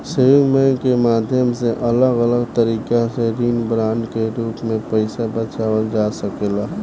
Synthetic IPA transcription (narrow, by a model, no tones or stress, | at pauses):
səjoɡmɛ̃kemaːd̪ʱjəmseʔɐləɡələɡt̪əɾiːkaseɾiːnbɾaːnkeɾuːpmẽpəɪsabət͡ʃaːwəld͡ʒaːsəkeːlaː